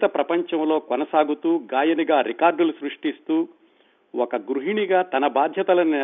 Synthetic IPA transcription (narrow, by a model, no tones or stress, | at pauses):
t̪ɐpɾɐpɐɲt͡ʃɐmlo̞ːkonɐsaːɡut̪uːɡaːjɐniɡaːɾikaːɾɖulusɾuʂʈist̪uː | wɔkɐɡɾuɦiɳiɡaːt̪ɐnɐbaːd̪ʱjɐt̪ɐlɐn